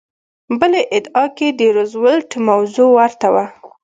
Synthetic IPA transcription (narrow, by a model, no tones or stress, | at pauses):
bəleʔɪd̪ɑked̪əɾozwəlʈmawzuwaɾt̪awa